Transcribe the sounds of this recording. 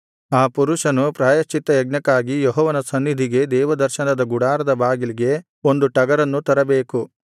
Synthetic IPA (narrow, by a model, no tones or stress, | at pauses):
aːpuɾuʃɐnupɾaːjɐʃt͡ʃːit̪ːɐjɐɡ̚ɲɐkːaːɡijɔɦɔːʋɐnɐsɐnːid̪ʱiɡe̞d̪ɛːʋɐd̪ɐɾʃɐnɐd̪ɐɡuɽaːɾɐd̪ɐbaːɡiliɡe̞ | o̞nd̪uʈɐɡɐɾɐnːut̪ɐɾɐbeːku